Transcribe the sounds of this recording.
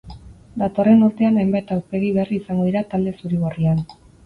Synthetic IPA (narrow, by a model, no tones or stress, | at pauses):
d̪at̪o̞re̞nuɾt̪e̞anajmbajt̪awspe̞ɣiβeriːsaŋɡo̞ðiɾat̪ald̪e̞suɾiɣ̞orian